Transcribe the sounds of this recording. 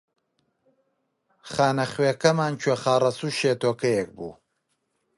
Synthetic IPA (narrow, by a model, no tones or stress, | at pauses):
χaːnɐχweːkɐmaːnt͡ʃʰweːχaːrɐsuːʃeːt̪oːkɐjek̚bṵː